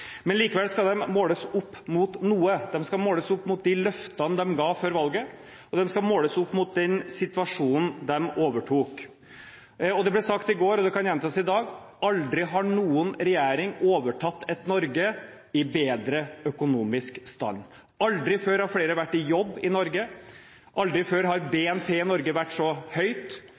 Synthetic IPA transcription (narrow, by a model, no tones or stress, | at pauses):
mɛnliːkəʋɛlskɑd̪ɛmmoːləsʊpːmʊt̪nuːəd̪ɛmskɑmoːləsʊpːmʊt̪̚d̪ɪlœft̪ənd̪ɛmɡɑːføːɾʋɑlɡə | ɔd̪ɛmskɑmoːləsʊpːmʊt̪̚d̪ɛnsɪt̪ʋɑʂuːnn̩d̪ɛmoːʋəʈʰuːk | ɔd̪ɛblɛsɑkt̪ɪɡoːɾɔd̪ɛkɑnjɛnt̪ʰɑsɪd̪ɑːɡ | ɑld̪ɾɪɦɑɳuːənɾɛjæːɾɪŋoːʋəʈʰɑt̪ːɛt̪nɔɾɡə | ɪbeːd̪ɾəœkʊnuːmɪskst̪ɑ̰nː | ɑld̪ɾɪføːɾɑfleːɾəʋæʈːɪjɔbːɪnɔɾɡə | ʔɑld̪ɾɪføːɾɦɑɾbɛɛnpʰeːnɔɾɡəʋæʈːsɔhœʏt̪